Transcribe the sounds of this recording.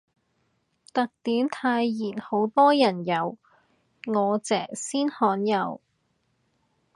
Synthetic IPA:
t̪ɐ˨k̚t̪yː˨˥mt̪ʰaː˧jːiː˨˩nho˨˥wt̪ɔː˥jɐ˨˩njɐ˨˧w | ŋɔː˨˧t͡sɛː˨˩siː˥nhɔː˨˥njɐ˨˧w

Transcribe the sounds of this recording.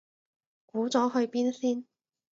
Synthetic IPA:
kuː˨˥t͡sɔː˨˥ɦɵ˧ɥpiː˥nsiː˥n

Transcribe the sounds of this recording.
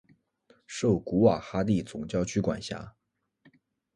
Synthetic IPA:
ʂo˥˩ʊku˧˥wa˨˩xa˥t̪i˥˩t͡sʊ˨˩ŋt͡ɕjɑ˥˧ʊt͡ɕʰy˥kwa̰˨˩nɕja̰˧˥

